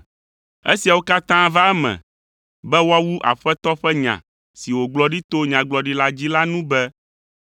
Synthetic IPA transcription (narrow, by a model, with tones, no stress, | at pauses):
ḛ˦si˨a˨wo˦ka˦t̪ã˦va˦ɛ˦mɛ̰̃˨ | bɛ˦wo˦a˦wu˦ʔa̰˨ɸɛ˦t̪ɔ˦ɸɛ˦ɲã̰˨ | si˨wo˨ɡ͡blɔ˨ɖi˦t̪o˦ɲã˨ɡ͡blɔ˨ɖi˦la˦d͡ʑi˦la˦nũ˦bɛ˦